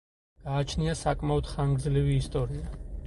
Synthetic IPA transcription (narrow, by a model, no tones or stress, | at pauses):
ɡ̥aːt͡ʃʰniasakʼmaɔd̪̥χaŋɡɾd̪zliviːst̪ʼɔɾia